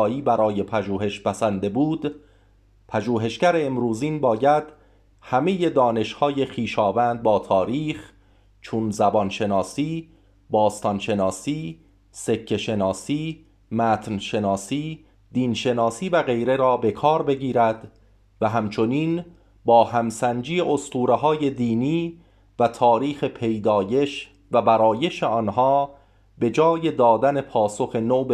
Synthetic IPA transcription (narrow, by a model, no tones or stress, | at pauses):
iːbæɾɒːje̞pʰæʒuːɦe̞ʃpæsænd̪e̞buːd̪ | pʰæʒuːɦe̞ʃcæɾeːmɾuːziːnbɒːjæd̪̥ | hæme̞je̞d̪ɒːne̞ʃhɒːje̞χiːʃɒːvænd̪̚bɒːt̪ʰɒːɾiːχ | t͡ʃʰunzæbɒːnʃe̞nɒːsiː | bɒːst̪ɒnʃe̞nɒːsiː | se̞cʰːe̞ʃe̞nɒːsiː | mæːt̪ʰnʃe̞nɒːsiː | d̪iːnʃe̞nɒːsiːvæɣe̞jɾe̞ɾɒːbe̞kʰɒːɾbe̞ɡiːɾæd̪ | væɦæmt͡ʃʰo̞niːn | bɒːhæmsænd͡ʒiːeʔost̪uːɾeɦɒːje̞d̪iːniː | væt̪ʰɒːɾiːxe̞pʰe̞jd̪ɒːje̞ʃ | væbæɾɒːje̞ʃeɒːnɦɒː | be̞d͡ʒɒːje̞d̪ɒːd̪æne̞pʰɒːsoxe̞noːb